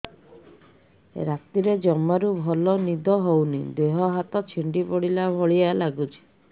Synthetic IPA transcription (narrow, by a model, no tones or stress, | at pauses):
ɾat̪iɾed͡ʒɔmːaɾubʱɔlɔnid̪ʱɔɦownid̪eɦɔɦat̪ɔt͡ʃʰiɳɖipɔɽilabʱɔɭialaɡut͡ʃʰi̥